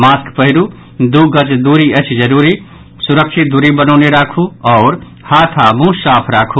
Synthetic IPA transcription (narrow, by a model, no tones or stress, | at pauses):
maskpəɦiɾu | d̪uɡət͡ʃd̪uɾiət͡ʃʰd͡ʒəɾuɾi | suɾəkʃʰit̪̚d̪uɾibənɔʊneɾakʰuɔʊɾ | hat̪ʰamũsapʰɾakʰu